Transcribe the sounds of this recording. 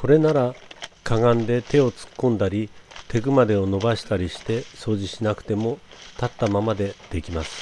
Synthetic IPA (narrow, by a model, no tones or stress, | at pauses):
ko̞ɾe̞naɾakaɡãnd̪e̞t̪e̞o̞t͡sɨ̥kːõ̞nd̪aɾʲit̪ʰe̞ɡɯ̟mad̪e̞ono̞baɕi̥t̪aɾʲiɕi̥t̪e̞so̞ːʑiɕinakɯ̟̥t̪e̞mo̞t̪at̪ːamamad̪e̞d̪̥e̞kʲimasɨ̥